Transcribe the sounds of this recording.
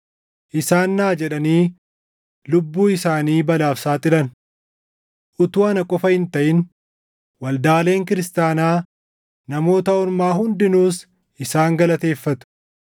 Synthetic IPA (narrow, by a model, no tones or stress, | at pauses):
ʔɪsaːnːaːd͡ʒɛᶑɐniː | lʊbːuːɪsaːniːbɐlaːfsaːt̪ʼɪlɐn | ʔʊt̪uːɐnɐkʼɔfɐhɪnt̪ɐʔɪn | wɐld̪aːle̞ːŋkɪɾɪst̪aːnaː | nɐmo̞ːt̪ɐɔɾmaːɦʊnd̪ɪnuːs | ɪsaːŋɡɐlɐt̪e̞ːfːɐt̪ʊ̥